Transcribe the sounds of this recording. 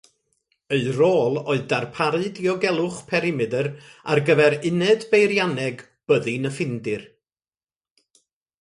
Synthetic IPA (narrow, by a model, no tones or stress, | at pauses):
eɨroːlˠoɨðdarpʰaɾɨdiɔɡɛlˠʊχpʰɛɾɪmɨdəɾa̰rɡəvɛɾɪnɛdbejɾjanɛɡ | b̥əðɨnəfɪndɪr